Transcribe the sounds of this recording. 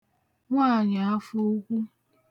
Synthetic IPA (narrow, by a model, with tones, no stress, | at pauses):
ŋʷaː˦˨ɲa˨a˦fo˦kʷu˦